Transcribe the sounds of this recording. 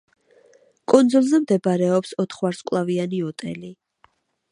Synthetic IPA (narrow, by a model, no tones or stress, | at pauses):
kʼund̪zulˠzɛmd̪ɛbaɾɛɔpsɔt̪ʰχwaɾskʼlˠavianiɔt̪ʼɛ̰li